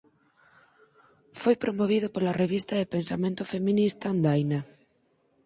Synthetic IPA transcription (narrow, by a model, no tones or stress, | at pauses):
fojpɾomoβ̞iðopolareβ̞ist̪ɐðepensamẽnt̪ʊfemĩnist̪and̪ajna